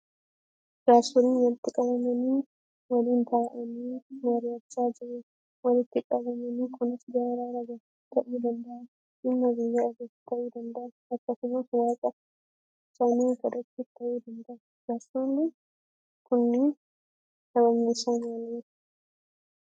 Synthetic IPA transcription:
d͡ʒaːsʊɾiːnwɐlɪt̪ːɪkʼɐbɐmɐniː | wɐliːnt̪ʰɐʔɐniːmɐɾɪjɐt͡ʃːaːd͡ʒɪʔe | wɐlɪt̪ːɪkʼɐbɐmɐniːkʰʊnɐsɡaɾaːɾɐɡɐ | t̪ɐʔiːd̪ɐnd̪ɐʔɐn | t͡ʃɪnːɐbɪjːɐɐɡɐt̪ːɐʔiːd̪ɐnd̪ɐʔɐnɐkːɐsʊmɐswaːkʼɐ | ɪsaniɡɐd̪ɐkːɪt̪ːɐʔiːd̪ɐnd̪ɐʔɐ | d͡ʒaːsonːɪ | kʊnːɪ | kʼɐbɐmːisaːnɐli̥ː

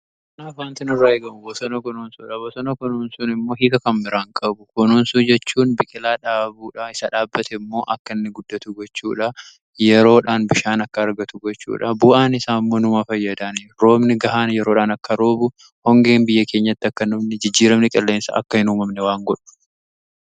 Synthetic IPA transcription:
kɐnaːfwaːnt̪ɪnʊrːaːeːɡɐmʊbɔsɔnɐkɔnoːnsuːᶑɐbɔsɔnɐkɔnoːnsunɪmːoːɦiːkɐkɐmːɪɾaːŋkʼɐbʊkɔnoːnsuːd͡ʒɛt͡ʃːuːnbɪkʼɪlaːᶑaːbuːᶑɐɪsɐᶑaːbːɐt̪ɛmːo̞ːʔɐkːɐnːɪɡʊd̪ːɐt̪ʊɡɔt͡ʃːuːᶑɐ | jɛɾo̞ːᶑaːnbɪʃaːnɐkːɐːɾɡɐt̪ʊɡɔt͡ʃːṵːᶑɐbʊʔaːnɪsaːɪmːo̞ːnʊmafɐjːɐd̪aːnɾo̞ːmnɪɡɐʔaːnjɛɾoːᶑaːnɐkːɐɾo̞ːbʊ | hɔŋɡe̞ːnbɪjːɐkeːɲːɐt̪ːɪɐkːɐnʊbnɛd͡ʒɪd͡ʒːiːɾɐmnɪkʼɛlːeːnsɐ̰ʔɐ̰kːɐhɪnuːmɐmnɛwaːŋɡɔᶑʊ̥

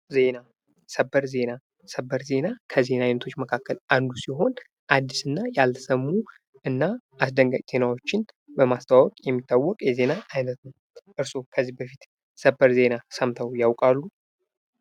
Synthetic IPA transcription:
ze̞na | səbːəɾze̞na | səbːəɾze̞nakʰəze̞najnət̪ʰo̞t͡ʃːməkʰakːəland̪usiɦo̞n | ʔad̪ːisɨnːajalt̪ʰsəmːu | ɨnːaasd̪əŋɡat͡ʃʼz̥e̞nawo̞t͡ʃːɪn | bəmast̪ʰawawɔkʼjɛmːit̪ːawːɔkʼjɛze̞naːjnət̪nəw | ʔɨɾso̞kʰəzːihbəfit̪ | səbːəɾze̞nasəmt̪ʰəwjawkʼalːu

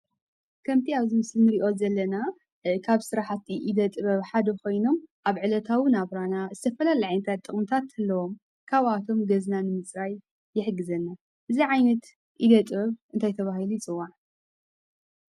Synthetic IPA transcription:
kʰɐmt̪ʰiaβzimɨslinɨɾiʔo̞zɐlːɐna | kʰaβsɨɾaħt̪ʰiʔid̪ɐt̪ʼɨβɐβħad̪ɐkʰo̞jno̞mʔaβʕɨlɐt̪ʰawɨnaβɾanazɨt̪ʰɐfɐlalaʕajnɐt̪ʰat̪ʼːɨχʼmɨt̪ʰat̪hɨlːɐwo̞m | kʰaβat̪ʰo̞mɡɐznanɨmɨt͡sʼɾajː | ɪħɨɡɨzɐnːa | ʔɨziʕajnɐt̪ | ʔid̪ɐt̪ʼβɐβɨnt̪ajt̪ʰɐβaɦhilujit͡sʼɨwːaʕ

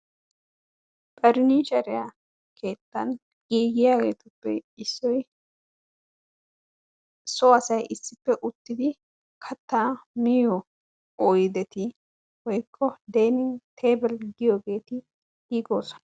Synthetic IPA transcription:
pʼɐɾniːʃɐɾɪja | kʰe̞ːt̪ːɐn | kiːɡɪjaːɡe̞̰ːt̪ʊpːɛ̰ɪsːɔj | sɔɐsɐjʔɪsːɪpːɛʔʊt̪ːɪd̪ɪ | kʰɐt̪ːaːmɪjɔ | ɔːjd̪ɛt̪ɪ | hɔjkʰːɔd̪eːnɪŋt̪ʰe̞ːbɛlɡɪjoːɡe̞ːt̪ɪ | iːɡo̞ːsɔ̥nɐ

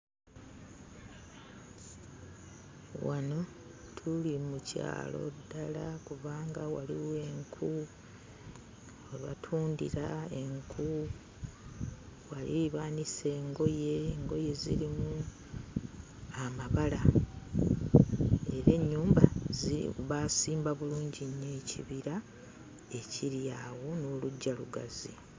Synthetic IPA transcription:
wano̞ | tʰulimuca̰ːlo̞̰dːalakuβaːŋɡawaliwe̞ŋkʰu | olatʰuːndḭɾae̞ŋkʰu | walḭiβaːnise̞ːŋɡo̞je̞ŋɡo̞je̞zḭɾimu | amaβala | e̞ɾe̞ɲːuːmbaziβasiːmbaβuluːɲɟiɲːecʰiβiɾa | e̞cʰiɾjaːwo̞noluɟːaluɡa̰zi

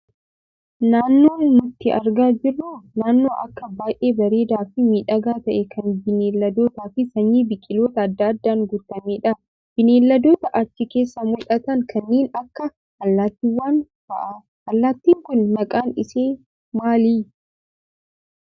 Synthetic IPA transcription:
naːnːo̞ːnnʊt̪ːɪʔɐɾɡaːd͡ʒɪrːunaːnːo̞ːʔɐ̰kːɐbaːjʔe̞ːbɐɾe̞ːd̪aːfɪmiːᶑɐɡaːt̪ɐʔɛkʰɐnbɪneːlːɐd̪o̞ːt̪aːfɪsɐɲːiːbɪkʼːɪlo̞ːt̪ɐːd̪ːɐːd̪ːaːŋɡʊt̪ːɐmeːᶑɐ | b̥ɪneːlːɐd̪o̞ːt̪ɐʔɐt͡ʃːɪke̞ːsːɐmʊlʔɐt̪ɐŋkʰɐnːiːnɐkːɐ | ɐlːaːt̪ːɪwːaːnfɐ̰ʔa | ɐlːaːt̪ːiːŋkʊnːɐkʼaːnɪseː | maːliː

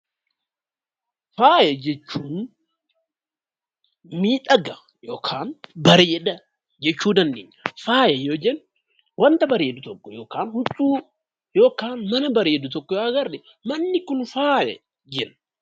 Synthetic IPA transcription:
faːjɛd͡ʒɛt͡ʃːuːn | miːᶑ̪ʼɐɡɐ | jo̞ːkʰaːnbɐɾeːd̪ɐ | d͡ʒɛt͡ʃːuːd̪ɐnd̪eːɲːɐfaːjɐjoːd͡ʒɛn | wɐnt̪ɐbɐɾeːd̪ʊt̪ɔkːɔjo̞ːkaːnhʊt͡ʃʼuː | jo̞ːkaːnmɐnɐbɐɾeːd̪ʊt̪ɔkːɔjaːɡɐɾdɛ | mɐnːɪkʊnfaːjɛ̰ | d͡ʒɛn

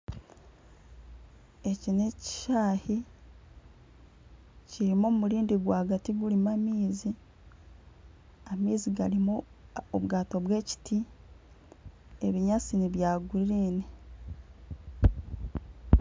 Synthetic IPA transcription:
e̞cineci̥ʃaːhi | ciɾimomumuɾiːndiɡwaːɡatiɡulimamiːzi | amiːziɡalimu | oβɡaːto̞βwe̞ːci̥tʰi | e̞βiɲat͡siniβjaːɡuɾiɾiːne

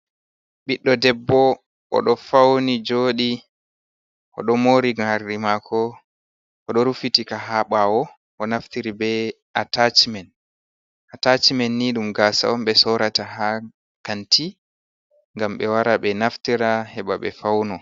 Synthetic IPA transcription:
ɓiɗːɔdɛbːɔ | ʔɔ̰ɗɔfawnid͡ʒoːɗi | ʔɔ̰ɗɔmoɾiɡaɾimakʰɔ | ʔɔɗɔɾufitikaɦaɓawɔ | ʔɔnaftiɾibɛ | atat͡ʃimɛn | ʔatat͡ʃimɛnːiɗumɡaːsa̰ɔmɓɛsɔɾataha | kanti | ŋɡamɓɛwaɾaɓɛnaftiɾahɛɓaɓɛ̰fawnɔ

